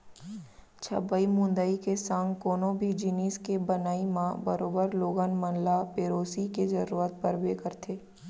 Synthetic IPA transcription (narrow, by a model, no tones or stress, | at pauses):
t͡ʃʰɐ̰bəimʊ̃nd̪əikesãːŋɡkoːnõbʱid͡ʒiniːskebənaːimãbəɾoːbəɾloːɡənmə̃nlapeːɾoːsikezəɾuːɾət̪̚pəɾbeːkəɾt̪ʰeː